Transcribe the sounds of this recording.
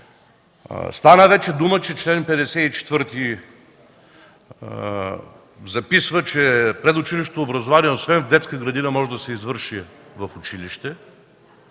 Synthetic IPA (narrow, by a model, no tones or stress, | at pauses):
st̪anəvɛt͡ʃɛd̪umət͡ʃɛt͡ʃlɛnpɛd̪ɛsɛit͡ʃɛ̥t̪vɤɾt̪i | zɐpisvət͡ʃɛpɾɛd̪ʊt͡ʃiliʃ̬t̪t̪oːbɾɐzovaniɛosvɛnvd̪ɛt̪skəɡɾɐd̪inəmɔʒɛd̪ɐsɛizvɤɾʃivɐfʊt͡ʃiliʃt̪ɛ